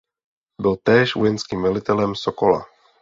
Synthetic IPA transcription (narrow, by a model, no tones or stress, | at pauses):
bɪlt̪ɛːʃvujɛnskiːmvɛlɪt̪ɛlɛmsokola̰